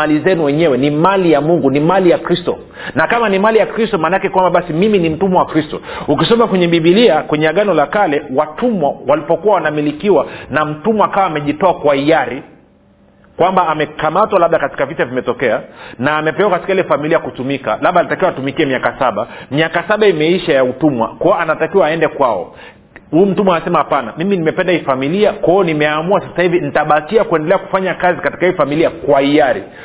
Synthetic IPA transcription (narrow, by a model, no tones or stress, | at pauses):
alizɛnuwɛɲɛwɛnimalijamuŋɡunimalijakɾistɔ̰ | nakamanimalijakɾistɔmaːnakɛkwambaɓasimiminim̩tumawakɾistɔukisɔmakwɛɲɛɓiɓiliakwɛɲɛaɠanɔlakalɛwatumwawalipɔkuwawanamilikiwanam̩tumɔakawaːmɛʄitɔakwaijaɾi | kwambaːmɛkamatwalaɓ̚ɗakati̥kavitavimɛtɔkɛanaːmɛpɛwakati̥kailɛfamiliakutumika̰laɓanatakiwaːtumikiɛmiakasaɓamiakasaɓaimɛiʃajautumwa̰kɔɔanatakiwaːɛndɛkwaɔ̰ | huːm̩tumwaasɛmahapanamiminimɛpɛndaifamiliakwaɔnimɛamuasasahivinitaɓakiakuɛndɛlɛaku̥faɲakazikati̥kaifamiliakwaijaɾḭ